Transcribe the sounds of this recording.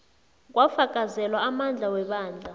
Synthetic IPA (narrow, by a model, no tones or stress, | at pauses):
k̬ʼwafakʼazɛlwaamand͡ɮʱawɛɓaːnd͡ɮʱa